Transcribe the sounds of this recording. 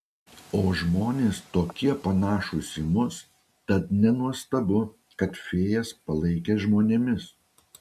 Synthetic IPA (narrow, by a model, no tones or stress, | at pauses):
oːʒmoːnʲeːst̪oːkʲiɛpɐnɑːʃʊsʲɪmʊs | t̪ɐt̪nʲɛnuɔst̪ɐbʊ | kɐt̪fʲeːjɛspɐlˠɐɪkʲeːʒmoːnʲeːmʲɪs